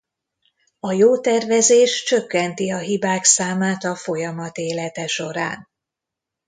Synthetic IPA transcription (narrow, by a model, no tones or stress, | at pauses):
ɒjoːt̪ɛrvɛzeːʃt͡ʃøkːɛnt̪iɒɦibaːksaːmaːt̪ɒfo̞jɒmɒt̪eːlɛt̪ɛʃo̞ɾa̰ːn